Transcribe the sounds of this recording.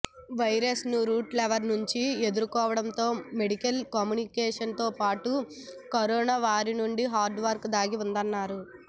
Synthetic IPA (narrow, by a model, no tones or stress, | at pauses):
ʋɐjɾɐsnuɾuːʈlɛʋɐɾnuɲt͡ʃie̞d̪uɾukɔːʋɐɽɐmt̪o̞ːme̞ɽikɐlkaːmjuːnikeɛːʂɐnt̪o̞ːpaːʈu | kɐɾoːnaːʋaːɾinuɳɖiɦaːɾɖʋɐɾkd̪aːɡiund̪ɐnːaːɾu